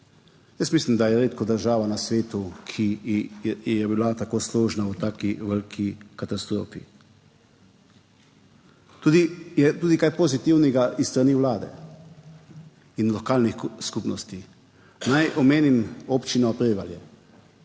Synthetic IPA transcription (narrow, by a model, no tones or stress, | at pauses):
jəst̪mislimd̪ajɛɾeːt̪kɔd̪əɾʒaːʋanasʋeːt̪ukʰi | jɛbilat̪akoːsloːʒnawt̪aːkiʋəlkʰikat̪ast̪ɾo̰ːfḭ | t̪uːd̪ijɛt̪uːd̪ikajpɔzit̪iwnɛɡaʔist̪ɾaniːwlaːd̪ɛ̰ | inlɔkaːlnixskupnɔst̪i | najɔmeːnimɔpt͡ʃinɔpɾɛʋaljɛ